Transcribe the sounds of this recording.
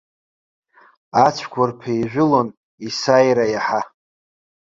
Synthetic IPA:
at͡ʃʷʰkʷʰʊrpʰejʒᶣʷʊlon | isajɾajaħa

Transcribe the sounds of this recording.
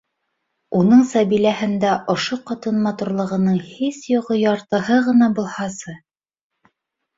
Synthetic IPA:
unɤɴsɑβilæhɘ̆nd̪æʔŏʃoqɑt̪ɤnmɑt̪uɾlˠɤ̆ʁɤ̆nɤɴhisjuʁɤjɑɾt̪ɤ̆hɤʁɤ̆n̪ɑbulˠhɑsɤ

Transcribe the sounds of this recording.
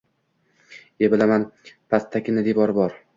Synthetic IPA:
ebɪlamanpʰast̪ʰːakʲɪnɪd̪evɒɾbɒɾ

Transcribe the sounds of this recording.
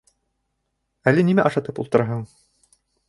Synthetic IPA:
ælɘnimæʔɑʃɑt̪ɤpṵlˠt̪ɤ̆ɾɑɦɤɴ

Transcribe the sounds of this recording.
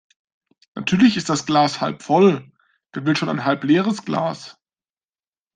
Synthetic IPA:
natʰyːɐlɪçɪst̚d̥asɡ̥laːsha̰lpfɔl | ɡ̥əvɪlʃoːnaɪnɦalpleːʁ̞əsɡ̥la̰ːs

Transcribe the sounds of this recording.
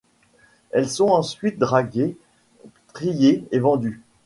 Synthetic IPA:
ɛlsɔ̃ɑ̃sɥit̪̚d̪ʁaɡe | t̪χijeevɑ̃d̪y

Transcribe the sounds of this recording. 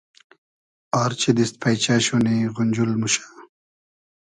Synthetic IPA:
aːɾt͡ɕid̪ist̪̚pʰajt͡ɕaɕuniɣunʲd͡ʑulmuɕḁ

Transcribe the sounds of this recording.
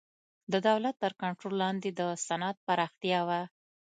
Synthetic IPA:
d̪əd̪awlat̪ːəɾkaɳʈɾolːɑnd̪ed̪əsanat̪̚paɾɑxt̪jɑwa

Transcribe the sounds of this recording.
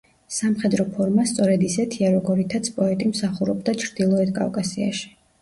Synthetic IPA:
samχɛd̪ɾɔpʰɔɾmast̪sʼɔɾɛd̪isɛt̪ʰiaɾɔɡɔɾit̪ʰat̪sʰpʼɔɛt̪ʼimsaχuɾɔbd̪at͡ʃʰɾd̪̥ilˠɔɛt̪̚ʰkʼa̰wkʼasia̰ʃi̥

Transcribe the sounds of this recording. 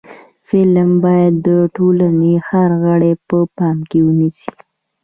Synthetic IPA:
fɪlmbɑjad̪ːəʈolanehaɾɣəɽepəpɑmkewənisi̥

